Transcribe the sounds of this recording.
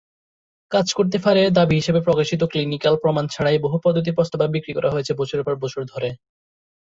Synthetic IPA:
kad͡ʑkoɾt̪̬efaɾed̪abiɦiʃebepɾɔkaʃit̪̬oklinikalpɾɔmant͡ɕʰaɽaeboɦupɔd̪ːot̪̬iɾpɔst̪ababikɾikɔɾʔaɦojet͡ɕʰebɔt͡ɕʰoɾeɾpɔɾbɔt͡ɕʰoɾd̪ʱoɾe

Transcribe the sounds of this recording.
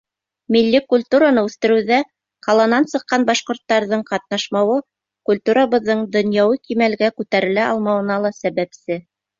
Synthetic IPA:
milːikulʲt̪uɾanɤʉθt̪ɘ̆ɾɘ̆wðæ | qɑlˠɑnɑnsɤ̆qːɑnbɑʃqŏɾt̪ːɑɾðɤɴqɑt̪̚nɑʃmɑwɤ | kulʲt̪uɾaβɤ̆ðːɤɴd̪ŏnjɑwɤkimælɡækʉt̪æɾɘ̆læʔɑlˠmɑwɤ̆nɑlˠɑsæβæpsɘ

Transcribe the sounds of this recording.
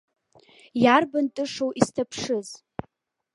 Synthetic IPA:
jarbantʼɨʂowʔistʰapʰʂɨz

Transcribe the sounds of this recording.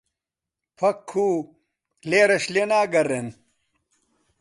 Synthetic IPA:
pʰɐkʰːuː | kleːɾɐɕlenaːɡɐɾen

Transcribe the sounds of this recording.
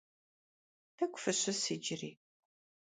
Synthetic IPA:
tʰɐkʷʼʊfɨɕɐsiːd͡ʒɪriː

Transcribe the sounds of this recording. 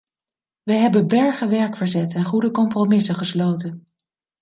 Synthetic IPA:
ʋəjɦɛbəbɛɹχəʋɛɹkfəɹzɛtɛnχudəkɔmpromɪsəχəslowtən

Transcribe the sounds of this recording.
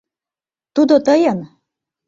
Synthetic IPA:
t̪ud̪ot̪ɤjɤn

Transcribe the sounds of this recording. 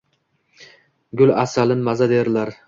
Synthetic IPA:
ɡʲʊlasalɪnmazad̪eɾɪlaɾ

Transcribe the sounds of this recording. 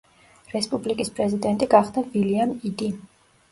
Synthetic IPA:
ɾɛspʼublikʼispʼɾɛzid̪ɛnt̪ʼiɡaχd̪aviliamid̪i

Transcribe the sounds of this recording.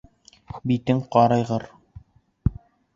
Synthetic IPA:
bit̪ɘŋqɑɾɑjʁɤɾ

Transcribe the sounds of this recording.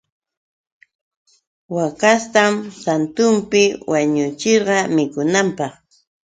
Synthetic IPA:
wakast̪amsant̪ʊmpɪwaɲʊt͡ʃeɾɢɑmɪkʊnampɑχ

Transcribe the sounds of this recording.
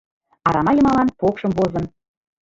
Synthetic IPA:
ɑɾɑmɑjɤ̆mɑlˠɑnpokʃəmbozɤ̆n

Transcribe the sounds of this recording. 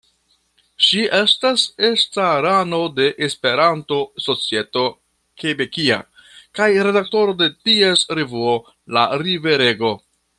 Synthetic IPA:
ʃiʔe̞stase̞staɾano̞de̞ʔespe̞ɾanto̞so̞t͡sie̞to̞ | kʰe̞be̞kia̰kajɾe̞dak̚to̞ɾo̞de̞tie̞sɾevuo̞ | laɾive̞ɾe̞ɡo̞

